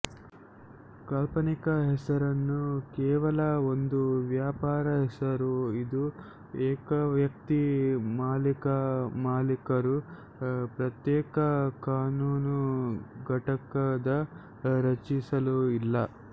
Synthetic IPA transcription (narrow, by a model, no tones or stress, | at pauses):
kɐlpɐnikɐɦɛsɐɾɐnːukɛːʋɐlɐo̞nd̪uʋjaːpaːɾɐɦɛsɐɾuid̪u | ɛːkɐʋjɐk̚t̪imaːlikɐmaːlikɐɾu | pɾɐt̪jɛːkɐkaːnuːnuɡʱɐʈɐkɐd̪ɐ | ɾɐt͡ʃisɐluilːɐ